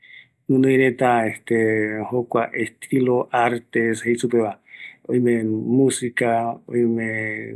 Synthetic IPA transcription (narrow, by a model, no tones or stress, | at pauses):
nũnõĩɾet̪aest̪ehokʷaʔest̪ʰiloʔaɾt̪esheisupeβaoimẽmũsikao̰jmẽ